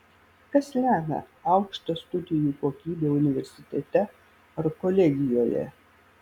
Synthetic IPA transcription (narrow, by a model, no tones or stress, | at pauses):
kɐslʲæːmʲɛ̰ɐʊkʃt̪ost̪ʊd̪ʲɪjuːkoːkʲiːbʲeːʊnʲɪʋʲɛɾʲsʲɪt̪ʲɛt̪ʲɛ | ɐɾkɔlʲɛɡʲɪjoːjɛ̰